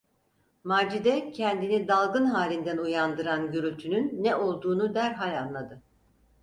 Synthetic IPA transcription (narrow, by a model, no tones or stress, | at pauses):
maːd͡ʒid̪ɛcʰɛnd̪inid̪alˠɡɯnɦaːlʲind̪ænujand̪ɯɾanɟøɾylʲt̪ʰynynːɛʔo̞lˠd̪uːnud̪æɾɦalʲanlˠad̪ɯ